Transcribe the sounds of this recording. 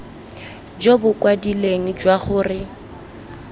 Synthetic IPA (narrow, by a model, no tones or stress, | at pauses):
d͡ʒobʊkʼwadileŋ̩d͡ʒwaχʊːrɪ